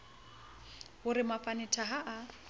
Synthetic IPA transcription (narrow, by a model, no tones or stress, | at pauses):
ɣʊɾɪmapʼanɪtʰaɦaʔa